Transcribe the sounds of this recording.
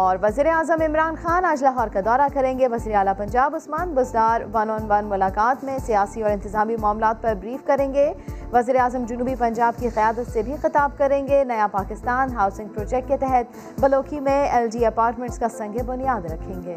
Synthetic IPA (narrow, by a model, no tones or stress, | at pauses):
ɔːɾʋɐziːɾeaːzəmɪmɾaːnxaːnaːd͡ʒlaːɦɔːɾkad̪ɔːɾakɐɾẽːŋɡeʋɐziːɾeaːlapɐ̃ɲd͡ʒaːbʊsmaːnɡʊzd̪aːɾʋɐnoːnʋɐnmʊlaːkaːt̪mẽsijaːsiɔːɾɪ̃nt̪ɪzaːmimʊaːmlaːt̪̚pɐɾbɾiːfkɐɾẽːŋɡeʋɐziːɾeaːzəmd͡ʒʊnuːbipɐ̃ɲd͡ʒaːbkiqɐjaːd̪ət̪sebʱixɪt̪aːb̚kɐɾẽːŋɡenɐjapaːkɪst̪aːnɦaːʊsɪ̃ŋɡ̚pɾoːd͡ʒɛk̚ʈ̚ket̪ɛɦɛt̪̚ | bɐloːkimẽɛːlɖiɐpaːɾʈmɛ̃ɳʈskasɐ̃ŋɡʱebʊnijaːd̪ɾɐkʰːẽːŋɡeː